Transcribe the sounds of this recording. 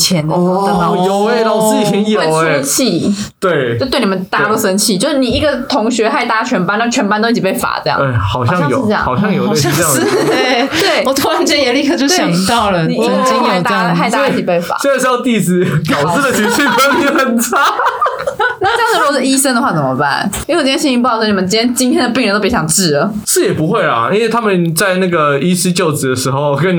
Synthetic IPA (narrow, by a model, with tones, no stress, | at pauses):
t͡ɕʰjɛ˧˦n˧˨˩jo˨˩ʊe˧na˥˩wɔ˨˩t͡sɹ̩˥˩t͡ɕi˨˩ɕi˧˥ŋjo˨˥˩ʊ˧ə˧˥t͡ɕʰi˥˩ | t͡ɕt̪we˥˩ɪo˥˧t̪we˥˩ni˨˩mə˧˦nt̪a˥˧ɾu˥˩sə˧˥nt͡ɕʰi˥˩t͡ɕjo˥˧ʊʂ̩˥˩ni˨˩i˥˩ɡə˨˩t̪ʰʊ˧˥ŋɕɥɛ˧˥xa˥˧ɪt̪a˥˩t͡ɕʰɥɛ˧˥npa˧˥n˥˩t͡ɕʰɛ˧˥npa˥nt̪o˥ʊi˥t͡ɕi˨˩pe˥˩ɪfa̰˨˩t͡sə˥˧jɑ̰˧ŋe˥˩xɑ˨˩ʊɕjɑ˥˧˩ŋ˥jo̰˨˩˥jɑ̰˥˨˥ŋɑ˨˩ʊjɑ˥˧ŋjo˨ʊ˥˧˥we˥˩ɪwɔ˨˩t̪ʰwɔ˧˥a˨˧˥t͡ɕɛ˥˧jɛ˨˧˩li˥˧kʰɤ˥˧t͡ɕjo˥˧ʊɕjɑ˨˩ŋt̪ɑ˥˨˩ʊlə˩ni˨˩˥ə˧˩i˥ŋo˨˩˨t̪a˥˧xa˥˧ɪt̪a˥˧i˥˩t͡ɕi˨˩pe˥˩ɪfa̰˨˥˧na˥˩ʂ̩˥˩jɑ˥˧t̪i˥˧sɹ̩˧˥pjɑ˨˩ʊs̩˥˩də˨˩t͡ɕʰy˧˥t͡ɕʰi˥˩pʰə˥ni˧˥xə˨˩nt͡sʰa˥ | na˥˧˥ŋ̩˩˨˧ɻ̩˥˩i˥ʂə˥ŋd̪ə˧xwa˥˩t͡sə˩mə˦ba̰˥˩n˥˧˨jɕĩ˥˧i˥pʰɔ˥ni˨˩mə̃˨nt͡ɕi˥˩t̪jɛ˥nt͡ɕi˥nt̪ʰjɛ˥nd̪ə˩p̬i˥˩ŋɻə˧nt̪o˥˩pi˧˥˩jɑ˨˩ʈ͡ʂɻ̩˥˩ə˩ʂɻ̩˥˩jɛ˨˩pu˧˦xwe˥˩ɪlɐ̰˨˩i˥nwe˥˩ɪt̪ʰa˥mə˨nt͡sa˥˧ɪna˥˩ɡə˩i˥sɹ̩˥t͡ɕjo˥˩ʊt͡sɹ̩˨˩d̪ə˩ʂɻ̩˧˥xo˥˧ʊkə˥n